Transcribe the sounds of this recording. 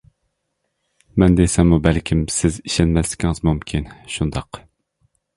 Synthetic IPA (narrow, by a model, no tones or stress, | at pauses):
mɛnd̪esɛŋmubælkʲʰimsɪziʃɛnmɛslɪ̥kʲʰiŋɨzmumkʲʰinʃund̪ɑq